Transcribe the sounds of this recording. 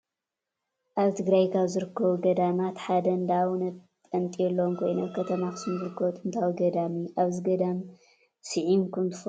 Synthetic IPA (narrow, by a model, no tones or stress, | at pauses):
ʔaβt̪ʰɨɡɾajkʰaβzɨɾɨkːɐβuɡɐd̪amat̪ħad̪ɐnd̪awunɐt̪̚ʼɐnt̪ʼijɛlːomkʰo̞jnokʰɐt̪ʰɐmakɨsɨnzɨɾɨkʰːɐβut̪ʼɨnt̪ʰawuɡɐd̪amiʔaβzɨɡɐd̪am | sɨʕimkʰunt̪ʰɨ̥f